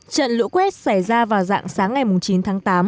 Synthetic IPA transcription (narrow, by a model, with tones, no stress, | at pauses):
t͡ɕə̰˧˨nlɨ̰˧˥kwɛ˦˥t̚sa˧˩jzaː˧vaː˨˩wza̰ː˧˨ŋsaː˨˦ŋːa˨˩jmʊ˨˩ŋ͡mt͡ɕi˨˦nt̪ʰaː˨˦ŋt̪aː˨˦m